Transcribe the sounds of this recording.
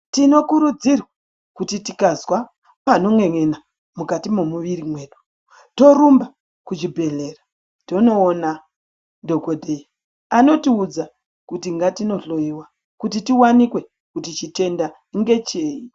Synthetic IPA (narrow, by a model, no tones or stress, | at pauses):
tino̞kuɾud͡zirwa | kutitikazwa | pano̞mwe̞ŋena | mukatimomuʋirimwe̞ːɗu̥ | to̞ɾumba | kut͡ʃibʱe̞ɮe̞ra | to̞no̞ːna | dʱo̞kodʱei | ano̞tiud͡za | kutiŋɡatino̞ɬo̞jiwa | kutitiwanikwe̞ | kutit͡ʃite̞nda | ŋɡe̞t͡ʃeːi